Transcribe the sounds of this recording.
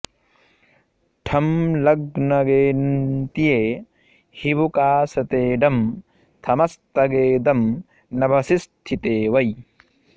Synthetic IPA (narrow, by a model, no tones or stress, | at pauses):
ʈʰɐmlɐɡnɐɡeːnt̪ijeː | hiʋukaːsɐt̪eːɖɐm | t̪ʰɐmɐst̪ɐɡeːd̪ɐm | nɐbʱɐsist̪ʰit̪eːʋɐj